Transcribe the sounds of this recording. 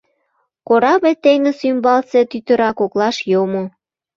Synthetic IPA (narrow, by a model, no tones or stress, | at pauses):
koɾɑβet̪eŋə̆symbɑlset̪yt̪ə̆ɾɑkoklɑʃjomo